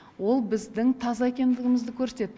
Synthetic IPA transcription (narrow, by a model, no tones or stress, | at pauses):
wo̞lˠbɪzd̪ɪŋt̪ʰɑzɑe̞kʲe̞nd̪ɪɡʲɪmɪzd̪ɪkʲʰɵɾse̥t̪e̞t̪̚ː